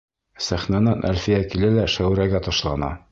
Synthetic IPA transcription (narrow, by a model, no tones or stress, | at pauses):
sæχnænɤnʔæ̰lfijækilælæʃæwɾæɡæt̪ɒʃlˠɑnɑ̰